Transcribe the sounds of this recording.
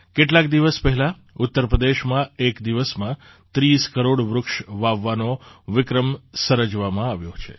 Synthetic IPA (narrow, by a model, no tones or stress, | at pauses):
keʈlak̚d̪iʋəspɛɦɛla | ʊt̪ːəɾpɾəd̪eʃmãekd̪iʋəsmã | t̪ɾiskəɾoɽʋɾʊkʃʋaʋːanoʋɪkɾəmsəɾəd͡ʒʋamãaʋjot͡ʃʰḛ